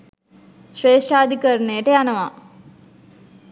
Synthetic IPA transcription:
ʃɾeːʂʈaːd̪ʱikɐɾneːʈeanɐʋa

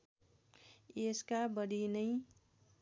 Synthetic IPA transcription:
eskabʌɾinʌj

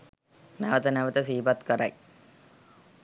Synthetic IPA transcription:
naʋət̪ənaʋət̪əs̬iːpat̪kəɾaj

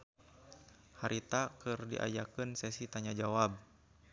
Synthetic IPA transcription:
haɾʔit̪akɨrdḭʔa̰jakɨnsɛsit̪aɲad͡ʒawab̚

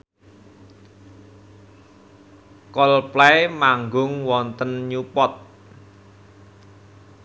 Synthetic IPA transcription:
kɔlplɛmaŋɡʊŋwɔnt̪ənɲupɔt̪̚

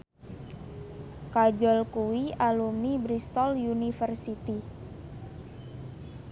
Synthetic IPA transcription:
kad͡ʒɔlkuwialumnibɾist̪ɔljunifərsit̪i

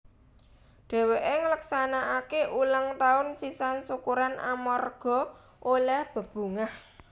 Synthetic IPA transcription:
ɖ̥e̤weʔeŋələksanaʔakeʔuləŋt̪aʊnsisansukuɾanʔa̰marɡ̥ɔ̤ | ʔolɛhb̥ə̤b̥ṳŋah

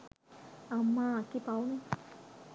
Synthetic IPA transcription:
amːãkipawnũ

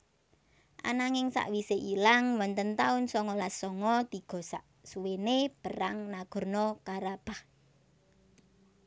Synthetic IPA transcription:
ʔa̰naŋɪŋsa̰ʔwiseʔilaŋwɔnt̪ənt̪aʊnsɔŋɔlasɔŋɔt̪i̤ɡ̥ɔ̤sa̰ʔ | suweneb̥əɾaŋnaɡ̥ɔ̤rnɔkaɾab̥ah

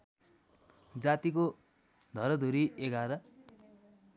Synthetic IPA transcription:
d͡zat̪iko | d̪ʱʌɾʌd̪ʱuɾiʔeɡaɾʌ

